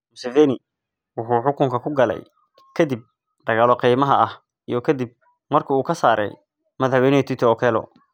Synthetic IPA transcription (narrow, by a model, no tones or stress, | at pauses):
mʊsɛvɛnɪ | wʊħʊːħʊkʊŋkʰɐkʰʊɡɐlɛ̰j | kʰɐd̪ib̚ | ɖ̥ɐɣaːlɔqijmɐɦɐɐh | ijɞkʰɐd̪ib̚ | mɐrkʰɐuːkʰɐsaːɾɛ̰j | mɐðħwɛjnɪɛt̪ʰit̪ʰɔːkʰɛːlɔ̰